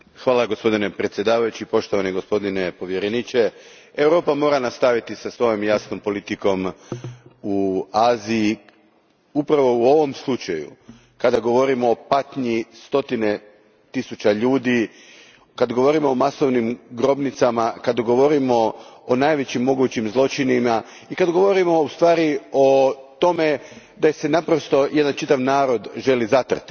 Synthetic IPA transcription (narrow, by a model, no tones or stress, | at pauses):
xʋaːlˠaɡo̞spo̞d̪ine̞pɾet̪sʲje̞d̪aːʋajut͡ɕipo̞ʃt̪o̞ʋaneɡo̞spo̞d̪ine̞po̞ʋjeɾenit͡ʃe̞ | ewɾo̞ːpamo̞ːɾanast̪aʋit̪isasʋo̞jo̞mjasno̞mpo̞lit̪iko̞m | uaːzii | upɾaʋo̞uo̞ʋo̞mslˠut͡ʃajṵ | kad̪aɡo̞ʋo̞ɾimoːpat̪ɲist̪o̞t̪ine̞ | t̪isut͡ʃaʎuːd̪i | kad̪ɡo̞ʋo̞ɾimo̞ːmaso̞ʋnimɡɾo̞bnit̪samakad̪ɡo̞ʋo̞ɾimo̞onajʋe̞t͡ɕimːo̞ɡuːt͡ɕimzlˠo̞t͡ʃinima | ikad̪ɡo̞ʋo̞ɾimo̞ust̪ʋaːɾio̞t̪o̞me̞ | d̪ase̞napɾo̞st̪o̞je̞d̪ant͡ʃit̪aʋnaːɾo̞d̪ʒe̞lizat̪r̩t̪i̥